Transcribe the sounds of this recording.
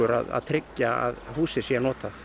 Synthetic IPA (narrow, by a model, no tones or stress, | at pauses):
ʏɾa̰ða̰ðt̪ʰɾɪcːaa̰ðhuːsɪsjɛnɔːt̪aθ